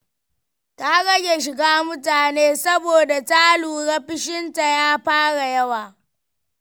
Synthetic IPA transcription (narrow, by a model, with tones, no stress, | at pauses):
ta˦ɡɐ˦ɡʲe˨ʃɪ˨ɡaː˦mʊ˦taː˨neː˦sɐ˦boː˨da˨ta˦luː˨ɽɐ˦ɸɪ˦ʃɪ˦nta˨jaː˦ɸaː˦ɽa˨jɐ˦waː˨